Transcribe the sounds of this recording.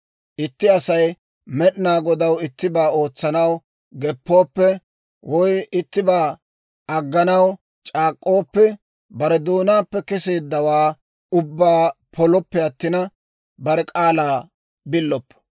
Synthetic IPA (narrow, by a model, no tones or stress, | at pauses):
ʔɪt̪ːɪɐsɐj | mɛɗnaːɡɔd̪ɐwɪt̪ːɪbaːo̞ːt͡sːɐnɐw | ɡɛpːo̞ːpːɛ | wʔɔjɪt̪ːɪbaː | ɐɡːɐnɐw | t͡ʃʼaːkʼːo̞ːpːɛ | bɐɾɛd̪oːnaːpːɛkɛse̞ːd̪ːɐwaː | ʊbːaːpʰɔlɔpːɛɐt̪ːɪnɐ | bɐɾɛkʼaːlaː | bɪlːɔpːɐ̥